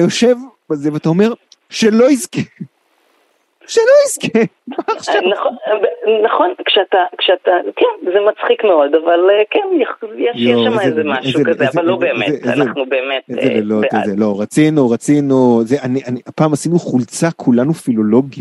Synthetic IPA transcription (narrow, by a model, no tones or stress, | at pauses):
ajo̞ʃe̞v | bazeveatao̞me̞ʁ | ʃelo̞iske | ʃelo̞iske | maːχʃnabnaχonkʃeatakʃeat̪akɛnzemat͡sχikmeo̞d̪avalekɛnjɛjɛʃjɛʃammaeezemaʃuekaeazvalːobeːmeḛnaχnubemetezḛvelotzeloʁat͡sinuʁat͡sinuzeʔanianiapaːmasinuχult͡sakʰulanufilo̞lo̞ɡi